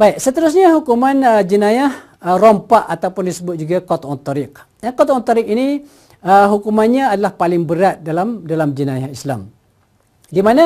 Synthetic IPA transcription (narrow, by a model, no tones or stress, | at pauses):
baik̚sət̪əɾʊs̬ɲaɦukumanəd͡ʒənajah | ərɔmpaʔat̪awpʊndisəbʊt̪̚d͡ʒuɡakɔt̪ɔt̪ɔɾɪk̚ | dankɔt̪ɔ̃t̪ɔɾɪk̚ini | əɦukumanɲaːdalahpalɪŋbəɾat̪̚dalamdalamd͡ʒənajahisla̰m | dimana